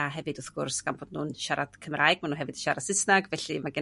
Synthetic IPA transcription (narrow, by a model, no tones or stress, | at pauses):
aɦɛvɨdʊθɡʊrsɡ̥amboːdnuːnʃaɾad̥kʰəmrajɡ̚manuːɦɛvɨdiʃaɾad̥sɪsnaɡvɛɬimaɡɪ